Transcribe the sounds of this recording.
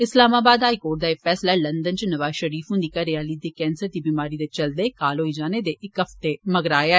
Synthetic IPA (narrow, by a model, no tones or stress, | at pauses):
ɪslaːmaːbaːd̪aːikoːʈ̚d̪aːeːkfʰɛːslaːlənd̪ənt͡ʃnəʋaːzʃəɾiːfɦʊ̃nd̪iːkəɾeaːliːd̪eːkɛːnsəɾd̪iːbiːmaːɾiːd̪et͡ʃəld̪eːkaːloːid͡ʒaːneːd̪eːʔɪkəft̪eməɡɾaːjaɛ